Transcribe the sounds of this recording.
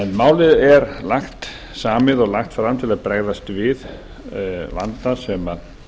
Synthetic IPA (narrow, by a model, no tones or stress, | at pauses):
ɛnmaːwlɪðɛɾlaxt̪ | saːmɪðɔɣlaxt̪fɾamt̪ʰɪlaðpɾɛɣðast̪vɪð | va̰nt̪asɛma